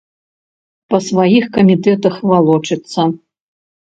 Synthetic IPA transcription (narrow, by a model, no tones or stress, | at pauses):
pɐsvajixkɐmʲit̪ɛt̪ɐxvalˠɔt͡ʂɨt̪sːɐ